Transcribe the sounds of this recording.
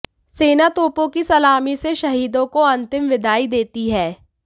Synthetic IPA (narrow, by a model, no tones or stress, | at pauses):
seːnat̪oːpõkisɐlaːmiseʃɐɦiːd̪õkoɐ̃nt̪ɪmʋɪd̪ʱaːid̪eːt̪iɦɛː